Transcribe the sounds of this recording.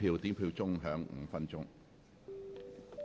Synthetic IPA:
iː˧wt̪iː˨˥mpʰiː˧wt͡sʊ˥ŋɦœː˨˥ŋŋ̩̰˨˧fɐ˥nt͡sʊ˥ŋ

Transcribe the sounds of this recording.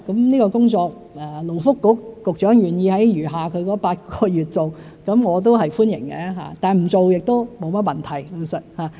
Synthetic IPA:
kɐ˨˥mniː˥kɔː˧kʊ˥ŋt͡sɔː˧k̚ | ɛː˨lo˨˩wfʊ˥kːʊ˨˥k̚ːʊ˨k̚t͡ʃœː˨˥ŋjyː˨njiː˧hɐ˨˥jjyː˨˩ɦaː˨˩kʰɵ˨˧ɥkɔ˨˥paː˧t̚kɔː˧jyː˨t̚t͡so˨w | kɐ˨˥mŋɔː˨˧t̪̬o˥wɦɐ˨jfuː˥njɪ̰˨˩ŋkɛ̰˨˧˥ɦa̰ː˨t̪aː˨nm̩˨˩t͡so˨wjɪ˨k̚t̪o˥wmo˨˧wmɐ˥t̚mɐ˨nt̪ʰɐ˨˩jlo˧sə˨˩t̚haː˨˩

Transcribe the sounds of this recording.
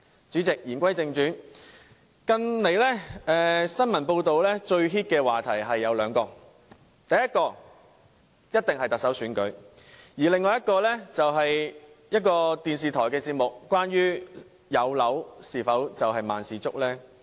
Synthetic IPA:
t͡ʃyː˨˥t͡sɪ˨k̚jiː˨˩nkʷɐ˥jt͡sɪ˧ŋt͡ʃyː˨˥n | kɐ˧nne˨˧jlɛː˥ɛː˨sɐ˥nmɐ˨˩npo˧wt̪o˨wlɛː˥t͡ʃɵ˧ɥɦiː˥t̚kɛː˧waː˨t̪ʰɐ˨˩jɦɐ˨jːɐ˨˧wlœː˨˧ŋkɔː˧ | t̪ɐ˨jɐ˥t̚kɔː˧ | jɐ˥t̚t̪ɪ˨ŋhɐ˨jt̪ɐ˨k̚sɐ˨˥wsyː˨˥nkɵ˨˥ɥjiː˨˩lɪ˨ŋːɔː˨jɐ˥t̚kɔː˧lɛː˥t͡sɐ˨wɦɐ˨j | jɐ˥t̚kɔː˧t̪iː˨nsiː˨t̪ʰɔː˨˩jkɛː˧t͡siː˧p̚mʊ˨˩k̚ːʷaː˥nɥyː˥ | jɐ˨˧wlɐ˨˥wsiː˨˩fɐ˨˥wt͡sɐ˨wɦɐ˨jma̰ː˨nsiː˨˩t͡sʊ˥k̚lɛː˥

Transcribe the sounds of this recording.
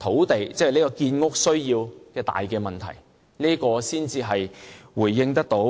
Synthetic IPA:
t̪ʰo˨˥wt̪e˨˩jt͡sɛ˥˨liː˥kɔː˧kiː˧nŋʊ˥k̚sɵ˥ɥjiː˧wkɛː˧t̪a̰ː˨jkɛː˧mɐ˨nt̪ʰɐ˨˩j | niː˥kɔː˧siː˥nt͡siː˧ɦɐ˨jwuː˨˩jːɪ˧ŋt̪̬ɐ˥k̚t̪o˨˥

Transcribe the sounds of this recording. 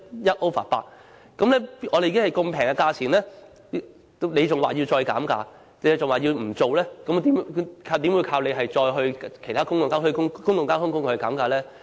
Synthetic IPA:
jɐ˥t̚ʔo˥wfa̰ː˨˩t̚pa̰ː˧k̚ | kɐ˨˥mlɛː˥ɔː˨˧e˨˧kːhjko˧ŋpʰɛː˨˩ŋka˧kaː˧t͡sʰiː˨˩nlɛː˥˧ | ne˨˧jt͡sʊ˨ŋwaː˨˩jiː˧wt͡sɔː˧jka̰ː˨˥mka̰ː˧ | e˨jt͡sʊ˨ŋwaː˨jiː˧wm̩˨˩t͡so˨wlɛː˥kɐ˨˥mt̪iː˨˦mkʰaː˧wt̪iː˨˥mwu˨˧˥kʰaː˧wle˨˧jɦɐ˨jt͡sɔː˧jɦɵ˧ɥkʰe˨˩t̪ʰaː˥kʊ˥ŋjʊ˨ŋkaː˥hʰɵ˧kʊ˥ŋkʊ˥ŋjʊ˨ŋkaː˥hʊ˥ŋkʊ˥ŋ˨hɵ˧jkaː˨˥mkaː˧lɛː˥

